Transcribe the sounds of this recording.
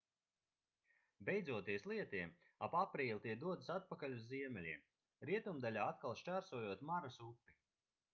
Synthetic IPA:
bʲɛjd̪zuɔt̪iɛslˠiɛt̪iɛm | apapɾiːlˠʲt̪iɛkd̪uɔt̪ɨ̥sat̪̚pakalʲuzːiɛmɛlʲiɛm | ɾiɛt̪umd̪alʲaːat̪kalˠʃt͡ʃæːɾsuɔːjuɔt̪maɾasupːi

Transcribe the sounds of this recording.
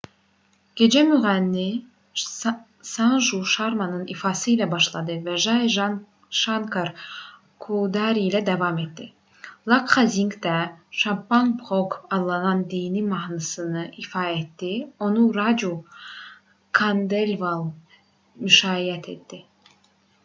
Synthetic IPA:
ɡ̥e̞d͡ʒæmyʁænːi | sɑnʒuʃɑɾmɑnɯnifɑsɯilʲæbɑʃlˠɑd̪ɯvæʒɑʒ | ʃɑŋkʰɑɾ | kʰud̪ɑɾiilæd̪ɑvɑmet̪d̪i | lˠɑkχɑziŋkd̪æʃɑmpɑnpχokɑd̪lːˠɑnɑnd̪ijnimɑhnɯsɯnɯʔifɑːet̪d̪io̞nuɾɑd͡ʒu | kʰɑnd̪elvalˠ | myʃɑːijæt̪ʰet̪d̪i

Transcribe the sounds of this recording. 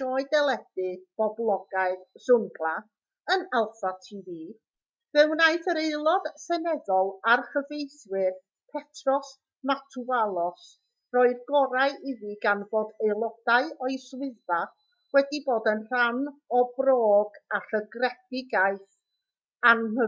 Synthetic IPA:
ɔɨdɛlˠɛd̥ɨb̥ɔblˠɔɡaɨðsʊŋɡlˠa | ənalˠfatʰiːðiː | vɛwnaɨθəɾeɨlˠɔd̥sɛnɛðɔlˠarχəvejθwɪr | pʰɛtʰrɔs | matʰualˠɔs | rɔɨðɡɔɾaɨʔiðiɡanvoːdeɨlˠɔd̥aɨɔɨswɪðva | wɛdiboːdənr̥anɔbroːɡar̥əɡrɛd̥ɪɡaɨθ | anhə

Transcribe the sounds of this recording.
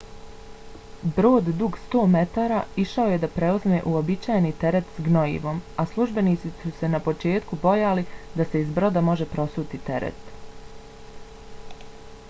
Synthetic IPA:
bɾo̞ːd̪d̪uɡst̪o̞ːme̞t̪aːɾaiʃao̞je̞d̪apɾe̞uzme̞ʔuobit͡ʃaːjnit̪e̞ɾe̞t̪sɡnoḭʋo̞maslˠuʒbe̞niːt̪sisuse̞napo̞t͡ʃe̞ːt̪kubo̞jalid̪ase̞izbɾo̞d̪amo̞ʒepɾo̞suːt̪it̪e̞ɾḛt̪

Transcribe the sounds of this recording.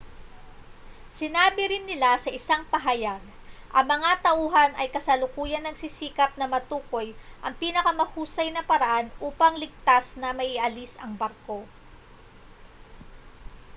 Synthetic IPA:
sɪnaːbɪɾɪnːɪlasɐʔɪsaŋpɐɦajaɡ̚ | ʔɐŋmɐŋat̪ɐʔuːɦɐnɐjkɐsɐlʊkuːjɐnːɐɡsisiːkɐp̚nɐmɐt̪uːko̞jʔɐŋpiːnɐkɐmɐhuːsɐjnɐpɐɾɐʔanʔuːpɐŋlɪɡ̚t̪asnɐmɐʔɪʔɐlisɐŋbɐɾko̞

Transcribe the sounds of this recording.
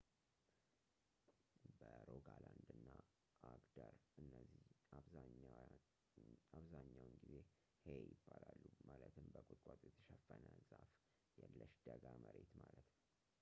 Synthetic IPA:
bəɾoɡaland̪ɨnːa | aɡd̪aɾɨnːəziaβza | aβzaɲːawɨnɡize | hejɪbːalalːumalət̪ʰɨmbəkʼʊkʼat̪ʼjɛt̪ʰə̥ʃɛfːənəzaf | jɛlːəʃd̪̥əɡaməɾe̞t̪malət̪nt̪

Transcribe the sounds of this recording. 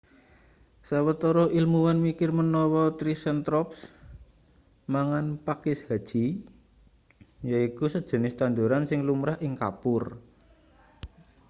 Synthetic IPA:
sawət̪ɔɾɔʔilmuwanmikɪrmənɔwɔt̪ɾisɛnt̪ɾɔps | maŋanpakɪshad̥ʒ̥i̤ | jaikusəd̥ʒ̥ə̤nɪst̪and̪uɾansɪŋlumɾahɪŋka̰pʊr

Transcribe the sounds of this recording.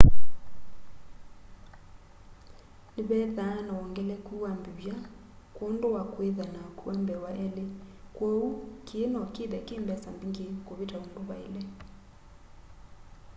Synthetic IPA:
niβɛðanaɔŋɡɛlɛkuwambiβja | kwondowakweðanakuɛmbɛwaʔɛlekwɛukiːnɔkiðɛkembɛsambiŋɡekoβitaondoβaḛle

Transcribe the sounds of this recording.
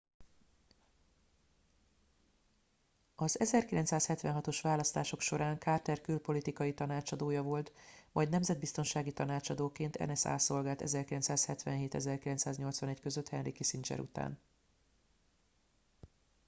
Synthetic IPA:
ɒzɛzɛrkilɛnt̪saːshɛt̪vɛnɦɒt̪o̞ʃʋaːlɒst̪aːʃo̞kʃo̞ɾaːŋkaːrt̪ɛrkylpo̞lit̪ikɒjit̪ɒnaːt͡ʃɒd̪oːjɒvo̞lt̪mɒjɟd̪nɛmzɛd̪̚bist̪o̞nʃaːɡit̪ɒnaːt͡ʃɒd̪oːkeːnt̪ʰɛ̰nɛsa̰ːso̞lɡaːlt̪ɛ̰zɛrkilɛnt̪saːshɛt̪ʋɛ̰nɦeːt̪ɛzɛrkilɛnsaːzɲo̞lt̪sʋɒnɛɟkø̞zøt̪hɛnrikisint͡ʃɛ̰ɾṵt̪a̰ːn

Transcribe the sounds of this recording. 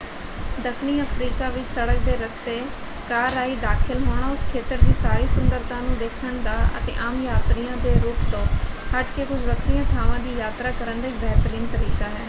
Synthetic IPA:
d̪əkʰniːəpʰɾiːkaːʋɪt͡ʃsəɽək̚d̪eːɾəst̪eː | kaːɾaːiːd̪aːkʰɪlɦoːɳ̃aːʊskʰeːt̪əɾd̪iːsaːɾiːsʊnd̪əɾt̪ãːnũːd̪eːkʰəɳd̪aːə̰t̪ḛːʔaːmjaːt̪ɾijãːd̪eːɾuːpt̪õːhəʈkeːkʊd͡ʒbəkʰɾijãːt̪ʰaːʋãːd̪iːjaːt̪ɾaːkəɾənd̪aːiːbɛːt̪əɾiːnt̪əɾiːkaːɦɛː

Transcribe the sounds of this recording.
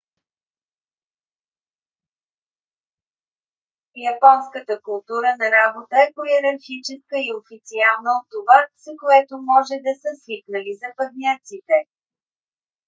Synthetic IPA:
jɐpɔnskət̪əkʊlˠt̪uɾənɐɾabot̪əɛpojɛɾɐɾxit͡ʃɛskəiofit̪sialˠnəot̪ːovaz̥əkoɛt̪omɔʒɛd̪ɐsəsviknəlizɐpɐd̪nʲat̪sit̪ɛ

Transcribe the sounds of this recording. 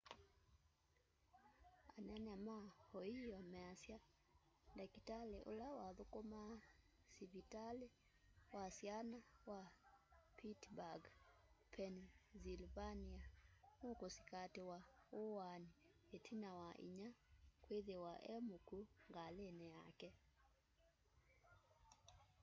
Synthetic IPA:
ananamahɔiɔmɛasja | ndakitaleʔo̰lawaðokoma | siβitale | wasjanawa | pʰitbaɡpʰɛnzilvaniamokosi̥katewaowanietʰinawaʔḭɲakweðewaʔɛmukuŋɡalenɛjakɛ

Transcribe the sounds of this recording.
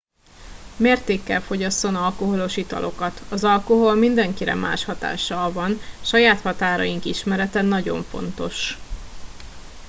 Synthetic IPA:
meːrt̪eːkːɛlfo̞ɟɒsːo̞nɒlko̞ɦo̞lo̞ʃit̪ɒ̰lʔo̞̰kɒt̪ɒzɒlko̞ɦo̞lmind̪ɛŋkiɾɛ̰mʔa̰ːʃhɒt̪a̰ːʃːɒlvɒnʃɒjaːt̪hɒt̪aːɾɒ̰jiŋkiʃmɛɾɛt̪ɛnːɒɟo̞̰ɱfo̞̰nt̪o̞ʃ

